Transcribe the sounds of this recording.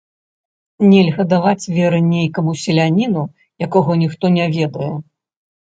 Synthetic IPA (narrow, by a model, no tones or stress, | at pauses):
nʲɛlʲɣɐd̪avat͡sʲvʲɛɾɨnʲejkɐmusʲɛlʲanʲinu | jakɔɣɔnʲixt̪ɔnʲɛvʲɛd̪ɐjɛ